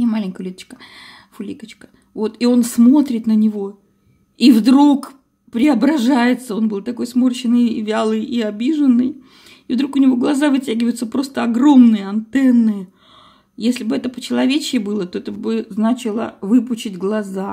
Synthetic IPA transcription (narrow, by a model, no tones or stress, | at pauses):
imalʲɪŋʲkəjlʲit̪ət͡ɕkə̥ | fʊlʲḭkət͡ɕkə̥ | vo̞t̪io̞nsmo̞t̪ɾʲɪt̪nənʲɪvo̞ | ivd̪ɾuk | pɾʲɪɐbɾɐʐajɪt̪səo̞nbɨlˠt̪ɐko̞jsmo̞rt͡ɕɪnːɨjvʲalˠɨjiɐbʲiʐɨnːɨj | ɪvd̪ɾukʊnʲɪvo̞ɡlˠɐzavɨtʲæɡʲɪvəjʊt̪səpɾo̞st̪əɐɡro̞mnɨjəɐnt̪ɛnːɨjə | jesʲlʲɪbɨɛt̪əpət͡ɕɪlˠɐvʲet͡ɕɪɪbɨlˠət̪o̞ɛt̪əbɨznat͡ɕɪlˠə̰vɨpʊt͡ɕɪdʲɡlˠɐza